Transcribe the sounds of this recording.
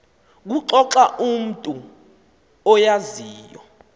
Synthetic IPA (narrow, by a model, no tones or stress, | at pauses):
k̬uǁɔǁaʔum̩tʼu | ɔjaziːjɔ